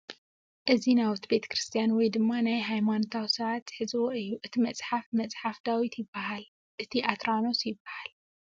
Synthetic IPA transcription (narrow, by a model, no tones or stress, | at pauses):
ʔɨzinawut̪ʰbe̞t̪ʰɐ̥kɾɨst̪ʰijanwɔjd̪ɨmːanajɦajmanot̪ʰawsɐβat̪ħɨzɨwoʔɨjːuʔɨt̪ʰimɐt͡sʼħafmɐt͡sʼħafd̪awit̪ʰjɪbːaɦal | ʔɨt̪ʰiʔat̪ɾano̞sjɪbːahal